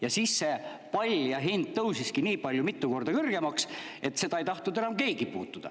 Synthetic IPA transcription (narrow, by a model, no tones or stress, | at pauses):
jɑsisːe | pɑlʲjɑɦind̪̥̚t̪ɤwsiskiniːpɑlʲjumit̪ːˑuko̞rd̪ɑkɯrɡ̥e̞mɑks | e̞t̪ːse̞d̪ɑe̞jt̪ɑht̪nud̪e̞nɑmke̞ːɡ̥ipuːt̪ːˑud̪̥ɑ̰